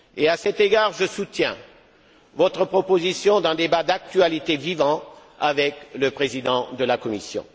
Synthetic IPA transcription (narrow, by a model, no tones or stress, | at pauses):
easɛt̪eɡaʁʒəsut̪jɛ̰̃ | vɔt̪χəpχɔpozisjɔ̃d̪ɛ̃d̪ebad̪ak̚t̪ɥalit̪evivɑ̃ | avɛkləpχezid̪ɑ̃d̪əlakɔmisjɔ̰̃